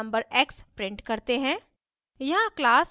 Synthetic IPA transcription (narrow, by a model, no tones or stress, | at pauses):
ə̃mbəɾeːkspɾɪ̃ɳʈkɐɾt̪eɦɛ̃ː | jɐɦãklaːs